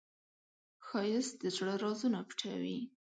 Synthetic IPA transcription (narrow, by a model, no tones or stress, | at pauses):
xɑjɪsd̪əzɽəɾɑzunapʈʰawi